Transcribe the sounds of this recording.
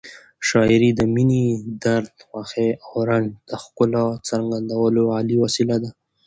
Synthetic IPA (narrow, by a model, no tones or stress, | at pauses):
ʃɑiɾid̪əminid̪aɾd̪waxeawɾand̪̥əxkʊlat͡saɾŋɡand̪awəloaliwasilad̪a